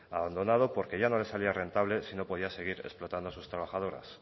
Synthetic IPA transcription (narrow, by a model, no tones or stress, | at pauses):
aβand̪o̞nað̞o̞po̞ɾke̞ʝano̞le̞saliare̞nt̪aβle̞sino̞po̞ðiase̞ɣ̞iɾe̞̰splo̞t̪and̪osust̪ɾaβ̞axað̞o̞ɾa̰s